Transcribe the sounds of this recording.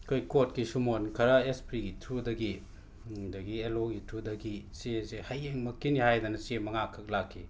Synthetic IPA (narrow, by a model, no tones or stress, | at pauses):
kʰojkotkisumonkʰɐɾɐespʰɾiɡitʰɾudɐɡi | dɐɡieloɡitʰudɐɡisezehɐjeŋmɐkːinihajd̪ɐnɐsemɐŋakʰːɐk̚lakʰːi